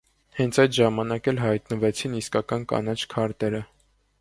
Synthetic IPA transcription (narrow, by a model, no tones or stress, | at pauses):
hɛnt͡sʰɑjt̪ʒɑmɑnɑkɛlɦɑjt̪nəvɛt͡sʰiniskɑkɑnkɑ̰nɑt͡ʃʰkʰɑɾt̪ɛɾə